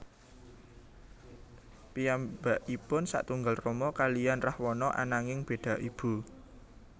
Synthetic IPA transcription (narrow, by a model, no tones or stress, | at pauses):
pijambaʔipʊnsa̰ʔt̪uŋɡalrɔmɔkalijanrahwɔnɔʔa̰naŋɪŋb̥e̤d̪̥ä̤ʔib̥ṳ